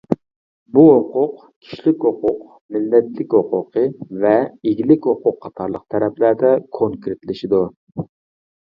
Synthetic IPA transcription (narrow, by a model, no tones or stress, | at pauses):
buɦoqʊq | kʲʰi̥ʃlɪkʲɦoqʊq | mɪlːɛt̪lɪkʲhoqʰʊqʰəvɛeɡʲilɪkʲhoqʊqʰːɑt̪ʰɑɾlˠəq̚t̪ʰɛɾɛplæɾd̪ɛkʰoŋkɾet̪lɪʃid̪u